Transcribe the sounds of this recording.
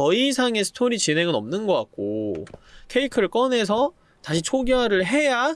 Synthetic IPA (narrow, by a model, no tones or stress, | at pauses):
ʌisʰaŋe̞sʰɯ̥tʰoɾit͡ɕine̞ŋɯnʌmnɯnɡʌk͈a̰k̚k͈o̰ | kʰe̞ikʰɯɾɯɭk͈ʌne̞s̬ʰʌ | taɕʰit͡ɕʰoɡiɦaɾɯɭɦe̞ja